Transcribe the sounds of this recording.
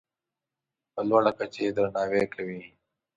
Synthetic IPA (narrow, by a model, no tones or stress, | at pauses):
pəlwaɽakɐt͡ʃed̪ɾanaːwekʰɐwi